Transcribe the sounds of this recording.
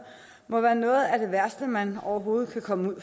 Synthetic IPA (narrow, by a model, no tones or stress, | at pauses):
mɒ̽ʋæːɐnɔ̽ːð̩ˠæd̥e̝ʋæɐsd̥əmænɒʊɐɦo̝ːð̩ˠkʰækʰɒ̽məuð̰ˠ